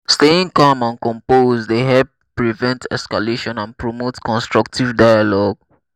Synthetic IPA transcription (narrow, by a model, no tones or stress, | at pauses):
steĩŋkɔ̃mãnkɔ̃mpozdeɦɛp̚ː | ɹivɛ̃ntʰɛ̰skaleʃɔ̃nãnpɹomotkɔ̃nstɹɔk̚tivdaɪjalɔɡ̚